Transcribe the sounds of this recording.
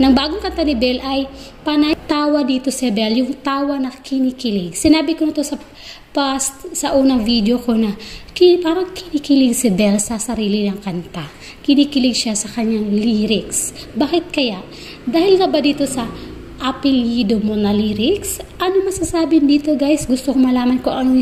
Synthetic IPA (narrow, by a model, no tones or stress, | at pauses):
nɐŋbaːɡoŋkɐnt̪anɪbɛlʔɐjpɐnɐt̪aːwɐd̪iːt̪o̞sɛbɛljʊŋt̪aːwɐnɐkɪnikɪlɪŋsɪnaːbɪkonɐt̪o̞sɐ | past̪sɐʔuːnɐŋvid̪jo̞ko̞nɐkɪpaːɾɐŋkɪnikɪlɪŋsɪbɛlsɐsɐɾiːlɪnɐŋkɐnt̪a | kɪniːkɪlɪɡʃasɐkɐɲːaŋliːɾɪksbaːkɪt̪̚kɐjaʔ | d̪aːhɪlŋɐbad̪iːt̪o̞sɐ | ʔɐpɪljiːd̪omonɐliːɾɪksʔɐnomɐsasaːbɪnd̪iːt̪oɡajsɡʊst̪okomɐlaːmɐnkoʔɐno